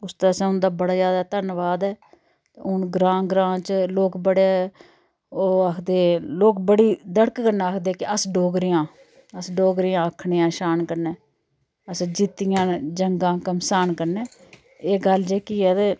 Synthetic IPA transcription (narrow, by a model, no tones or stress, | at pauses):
ʊst̪eːəsɛ̃ːʊnd̪aːbəɽaːd͡ʒjaːd̪aːt̪əɾnʋaːd̪ɛː | ʊnɡɾãːɡɾãːt͡ʃloːkbəɽe | oːakʰd̪eːloːkbəɽiːd̪əɽkːəɾnaːaːkʰd̪eːkɪəsɖoːɡɾɪjãː | əsɖoːɡɾɪjãːəkʰɳeːãːʃaːnkəɾnɛː | əsd͡ʒɪt̪ɪjãːd͡ʒəŋɡãːkəmsaːnkəɾneː | eːɡəld͡ʒeːkiːɛːt̪eː